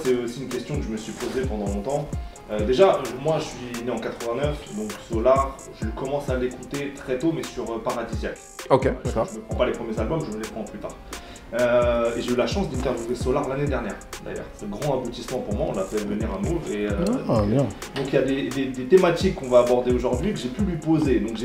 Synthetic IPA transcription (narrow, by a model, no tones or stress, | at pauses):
sɛosiynkʲɛst̪jɔ̃kəʒəməsɥipozepɑ̃d̪ɑ̃lɔ̃t̪ɑ̃ | ød̪eʒamwaʒəsɥineɑ̃kat̪χəvɛ̃nœfd̪ɔ̃ksɔlaʁ | ʒəlɥikɔmɑ̃salekut̪et̪χɛt̪omɛsyʁøpaʁad̪izjak | okekʒəməpχɑ̃palepχəmjezalbɔmʒəməlɛpχɑ̃plyt̪a̰ːʁ | øeʒeylaʃɑ̃sd̪ɛ̃t̪ɛʁvjuvesɔlaʁlaned̪ɛʁnjɛ̰ʁd̪a̰jœ̰ːʁsɛt̪ɛ̃ɡʁɑ̃abut̪ismɑ̃puʁmwaɔ̰̃lafɛd̪əvəniʁamuʁeøj̃d̪ɔ̃kiljad̪ed̪ed̪et̪emat̪ikːɔ̃vaːbɔʁd̪eoʒuʁd̪ɥikəʒepylɥipozed̪ɔ̃kʒe